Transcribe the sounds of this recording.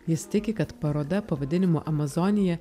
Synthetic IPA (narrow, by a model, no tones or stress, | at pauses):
jɪst̪ʲɪkʲɪkɐt̪pɐɾoːd̪ɐpɐʋɐd̪ʲɪnʲɪmoːʔɐmɐzɔnʲɪjɛ